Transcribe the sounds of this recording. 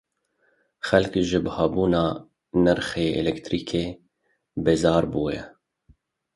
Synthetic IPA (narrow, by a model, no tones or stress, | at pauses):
xɛlkʒɨbhɑːbuːnɑː | nɛɾxeːʔɛ̰lɛkt̪ɾiːkʰeː | bezɑːɾbuːjɛ̰